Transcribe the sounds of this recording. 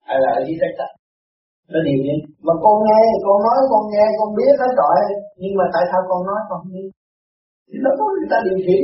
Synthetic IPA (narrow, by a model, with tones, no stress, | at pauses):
ʔa˧jla̰˨˩˨ki˨˦sa˦˥k̚t͡ɕa˧˩ | ɗɔ˨˦ɗi˨˩əwɲi˨˦maː˨˩kɔ˧nŋɛ˧˨˩kɔ˧nnɔ˨˦jkɔ˧nŋɛ˧kɔ˧nɓi˦˥ət̪̚kaː˨˦jzɔ̰˧˨˩jɲɨ˧ŋmaː˨˩t̪a̰ː˧˨jsaː˧wkɔ˧nnɔ˨˦jkɔ˧nɨ˧ | si˧˩ɗɔ˨˦kɔ˧˩nɲɨ˨˩t̪aː˧ɗi˨˩əwswḭ˧˩ə